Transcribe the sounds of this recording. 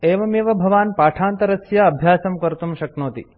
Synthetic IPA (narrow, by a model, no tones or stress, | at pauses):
eːʋɐmeʋɐbʱɐʋaːnpaːʈʰaːnt̪ɐɾɐsjaɐbʱjaːsɐmkɐɾt̪umʃɐknoːt̪ḭ